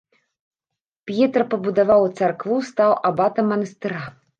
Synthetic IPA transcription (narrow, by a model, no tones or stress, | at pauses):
pʲjɛt̪rpɐbud̪avawt̪sarkvust̪awʔabat̪ɐmːɐnɐst̪ɨɾa